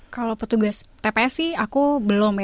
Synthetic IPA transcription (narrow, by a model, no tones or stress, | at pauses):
kalopət̪uɡast̪epesiakubəlomj